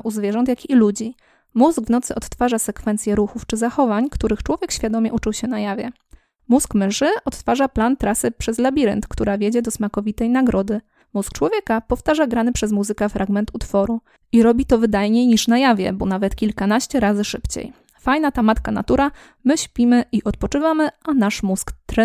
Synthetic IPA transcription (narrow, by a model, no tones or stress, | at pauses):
ʔuzvʲjɛʐɔnt̪jakʲiːlud͡ʑi | muzɡvnɔt̪sɘɔt̪t̪faʐasɛkfɛnt̪sʲjɛɾuxuft͡ʂɘzaxɔvaɲkt̪uɾɘxt͡ʂwɔvʲjɛkɕfʲjad̪ɔmʲɛʔut͡ʂɘwɕɛnajavʲjɛ̰ | muskmɘʂɘɔt̪t̪faʐaplant̪ɾasɘpʂɛzlabʲiɾɛ̰nt̪kt̪uɾavʲjed͡ʑɛd̪ɔsmakɔvʲit̪ɛjnaɡɾɔd̪ɘ | musk̚t͡ʂwɔvʲjɛkapɔft̪aʐaɡɾanɘpʂɛzmuzɘkɛfɾʔaɡmɛnt̪ut̪fɔɾu | iɾɔbʲit̪ɔvɘd̪ajɲejɲiʂnajavʲjɛ̰bɔnavɛt̪kʲilkanaɕt͡ɕɛɾazɘʂɘpt͡ɕḛj | fajnat̪amat̪kana̰t̪uɾa | mɘɕpʲimɘʔiʔɔt̪̚pɔt͡ʂɘvamɘanaʂmuskt̪ɾ